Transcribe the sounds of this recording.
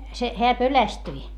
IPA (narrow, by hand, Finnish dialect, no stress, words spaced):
se heæ pølæstyi